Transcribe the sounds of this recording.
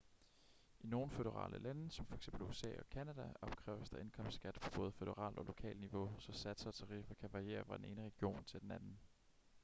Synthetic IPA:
ʔino̝ːn̩føð̥əʁɑ̰̈ːlʔə̰lænəsɒ̽mfɒ̽eɡ̥semb̥l̩uəsɛ̰ːɒ̽kʰænæd̥æɒ̽b̥̚kʰʁɛːʊ̰ɐsd̥ɑ̈ʔe̝nkʰɒ̽m̰sd̥sɡ̥æd̥pʰɒ̽b̥ɔ̽ːð̞̩ˠføð̥əʁɑ̰̈ːld̥ɒ̽lo̝kʰɛ̰ːlniʋo̝sɒ̽sæd̥səɒt͡sʰɑ̈ʁifɒkʰæʋɑ̈ʁie̝̰ːɐfɑ̈d̥ene̝ːnəʁɛɡ̥io̝̰ːnt͡sʰe̝ld̥enænn̩

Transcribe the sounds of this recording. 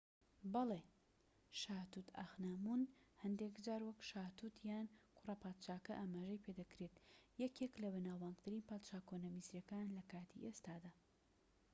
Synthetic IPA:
bɐle | ʃaːt̪ut̪ʰa̰xnamunhɐnd̪ekd͡ʒaːɾwɐkʃaːt̪ut̪jaːnkʰʊrɐpaːt̪t͡ʃaːkɐʔaːmaːʒɐjpʰed̪ɐkɾet̪jɛkʰeklɐβɨnaːwaːŋɡt̪ʰɨɾiːnpaːt̪ʃaːkonɐmisɾjɐkanlɐkaːt̪ʰḭʔest̪aːd̪aː

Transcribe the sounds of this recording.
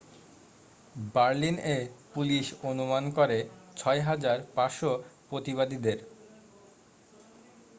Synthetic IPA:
baɾlinepuliʃonumankoɾet͡ɕʰɔeɦad͡ʑaɾpaɾʃopɾot̪iβad̪id̪eɾ

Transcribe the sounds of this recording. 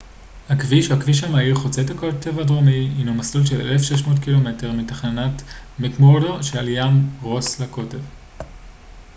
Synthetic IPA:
hakviʃeakviʃ̬amaiχot͡setakote̞vadʁomiinumaslulʃelḛlefʃeʃmo̞ːtkilome̞te̞ʁmitaχnanatmekmodoʃealjamʁo̞slako̞te̞v

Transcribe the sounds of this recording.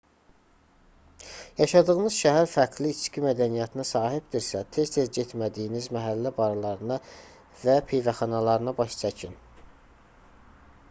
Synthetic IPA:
jɑʃɑd̪ɯɣɯnɯzʃæɦæɾfæɾkʰliːt͡ʃcʰimæd̪ænijæt̪ʰinæsɑːɦibd̪iɾsæt̪ʰe̞st̪ʰeɾɟet̪mæd̪ijinizmæɦælːæbɑɾlˠɑɾɯnɑ | væpʰejvæχɑnɑlˠɑɾɯnɑbɑʃt͡ʃʰæcʰin

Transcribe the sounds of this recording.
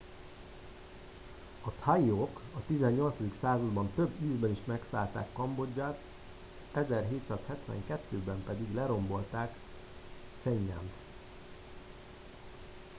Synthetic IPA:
ɒt̪hɒjiokɒt̪izɛɲːo̞lt̪sɒd̪iksaːzɒd̪bɒnt̪øbːiːzbɛniʃmɛksa̰ːlt̪a̰ːkːɒmbo̞d͡ʒːaːt̪ | ɛzɛrɦeːt̪saːshɛt̪ʋɛ̰ŋkɛt̪ːøːbɛmpɛd̪iɡlɛɾo̞mbo̞lt̪aːk | fɛɲːɛ̰mt̪

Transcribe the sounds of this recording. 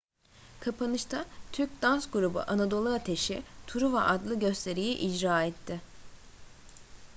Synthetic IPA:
kʰapʰanɯʃt̪ʰat̪ʰyɾc̚ʲd̪ansɡuɾubṵʔanad̪o̞lˠɯat̪ʰe̞ʃit̪ʰuɾuvɛʔad̪lˠɯɟø̞st̪ʰe̞ɾijiʔid͡ʒɾaːɛt̪ʰːɪ

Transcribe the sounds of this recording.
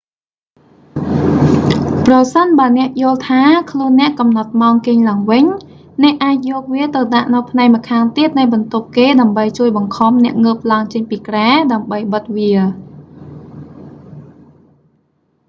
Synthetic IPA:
prɑsənɓaənɛ̆əʔjŏəlt̪ʰaːkʰluənːɛ̆əʔkɑmnɑt̪̚maɔŋkeːŋlaəŋʋɨɲ | nɛ̆əʔːaːc̚jɔːk̚ʋiət̪ɨwɗaʔnɨwpʰnaɛk̚mə̆kʰaːŋt̪iət̪̚nɨjɓɑnt̪up̚keːɗaəmɓəjt͡ɕuəjɓɑŋkʰɑmnɛ̆əʔŋəːp̚laəŋt͡ɕəɲpiːkraɛɗaəmɓəjɓət̪̚ʋiə

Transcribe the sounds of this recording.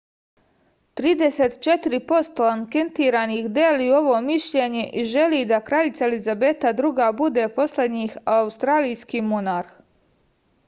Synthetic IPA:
t̪ɾiːd̪eset̪t͡ʃe̞t̪iɾipo̞st̪olaŋke̞nt̪iːɾanixd̪elio̞ʋo̞ːmiʃʎe̞ɲe̞ʔiʒe̞liːd̪akɾaʎit̪saelizabe̞t̪ad̪ɾuɡabud̪e̞ːpo̞sled̪ɲixaust̪ɾaːlijskiːmonaɾx

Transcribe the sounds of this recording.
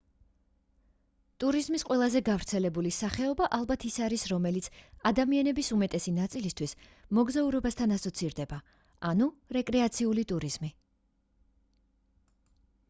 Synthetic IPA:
t̪ʼuɾizmisqʼwɛlˠazɛɡavɾt̪sʰɛlɛbulisaχɛɔbaʔalˠbat̪ʰisaɾisɾɔmɛlit̪sʰad̪amianɛbisumɛt̪ʼɛsinat̪sʼilist̪ʰwismɔɡzauɾɔbast̪ʰanasɔt̪sʰiɾd̪ɛba | anuɾɛkʼɾɛat̪sʰiulit̪ʼuɾiz̥mi

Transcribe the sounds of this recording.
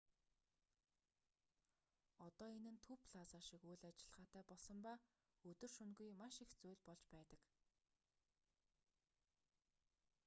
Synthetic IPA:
ɔt̪ɔːenɘ̆nt̪ʰɵpɮaːsaːʃikujɮat͡ɕɪ̆ɮ̥ʁaːt̪ʰæːpɔɮsɞ̆mpaː | ɵt̪ɵ̆rʃɵnɡujmaʃixt͡sujɮʲpɔɮt͡ɕpæːt̪ə̆k

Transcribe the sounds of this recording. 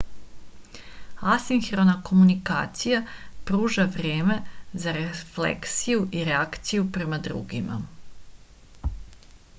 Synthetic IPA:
asiŋxɾonako̞munika̰ːt̪sijapɾuːʒaʋɾe̞ːme̞zaɾeflḛksijuʔiɾeakt̪sijupɾe̞mad̪ɾṵɡima̰

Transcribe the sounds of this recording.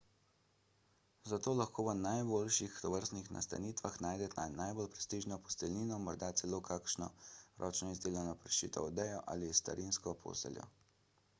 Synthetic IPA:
zat̪oːlaxkoːʋənajboːlʃixt̪ɔʋəɾst̪nixna̰st̪a̰niːt̪ʋaxnaːjd̪ɛt̪nanajbolpɾɛ̥st̪iːʒnɔpɔ̥st̪ɛlniːnɔmɔɾd̪at̪sɛloːkʰakʃnɔ̰ɾʔɔːt͡ʃnɔizd̪eːljanɔpɾɛʃt͡ʃḭːt̪ʰɔ̰ɔd̪ɛjɔʔa̰ːlist̪a̰ɾinskɔpʰo̰ːsɛ̰ljɔ̰

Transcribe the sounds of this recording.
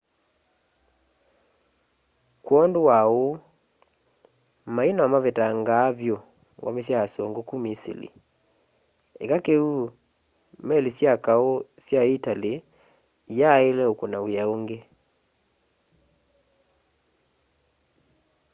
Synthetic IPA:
kwɔndowao | mainaamaβetaŋɡaːβjo | wʔa̰mesjajasɔŋɡokumisḭlḭ | ḛkakeu | mɛlisjakaosjaitale | jaelɛokonawjaoŋɡe

